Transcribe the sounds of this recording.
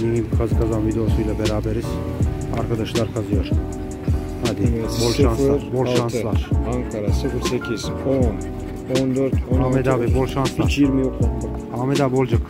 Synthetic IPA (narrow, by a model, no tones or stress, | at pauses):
miɲimkʰazɯkʰazanvid̪eosujlˠabeɾaːbeɾiz̥a̰ɾkʰad̪aʃlˠaɾkʰazɯjo̞ɾ | had̪ibolˠʃʃanslˠaɾbolʃanlˠaɾ̥aŋkʰaɾasɯfɯɾsecʰiz̥on | ond̪øɾt̪ʰonaːmed̪avɛbolˠʃanslˠat͡ʃjiɾmijoklˠaa | aːmed̪abo̞lˠd͡ʒak